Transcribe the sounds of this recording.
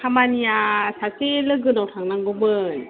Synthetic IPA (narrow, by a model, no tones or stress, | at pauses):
kʰamanijasaselɯɡɯnawtʰaŋnaŋɡɔmɯn